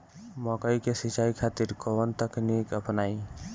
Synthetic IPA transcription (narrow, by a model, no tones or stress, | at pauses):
mɔkəjkesit͡ʃaikʰat̪iɾkɔʋənt̪əknikəpnaj